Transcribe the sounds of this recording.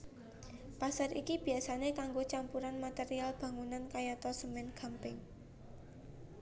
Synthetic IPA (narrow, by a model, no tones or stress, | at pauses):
pasaɾikib̥i̤jasanekaŋɡot͡ʃampuɾanmat̪eɾialb̥ä̤ŋunankajat̪ɔsəmɪnɡ̥ʰa̤mpɪŋ